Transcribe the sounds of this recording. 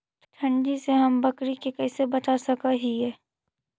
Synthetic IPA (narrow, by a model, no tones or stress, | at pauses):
t̪ʰɐ̃ɳɖiseɦɐmbɐkɾikekɛːsebɐt̪asɐkaɦiɦɛː